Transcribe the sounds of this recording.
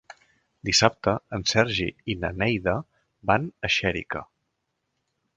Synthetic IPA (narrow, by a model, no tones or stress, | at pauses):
d̪isap̚t̪əənsɛɾʒḭinənɛjðə | banəʃɛɾḭkə̰